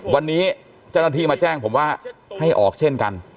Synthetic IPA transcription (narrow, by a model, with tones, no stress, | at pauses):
wa˧nːiː˦˥ | t͡ɕa˥˩wnaː˥t̪ʰiː˧˩maː˧t͡ɕɛː˥˩ŋpʰo˩˦mwaː˥˩ha˥˩jʔɔ̰ː˨˩k̚t͡ɕʰe˥˩nka˧n